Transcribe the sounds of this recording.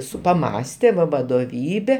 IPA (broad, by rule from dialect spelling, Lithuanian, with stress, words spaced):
ˈsʊ pɐˈmɑːsʲtʲɛ ʋɐ ʋɐdoːˈʋʲiːbʲɛ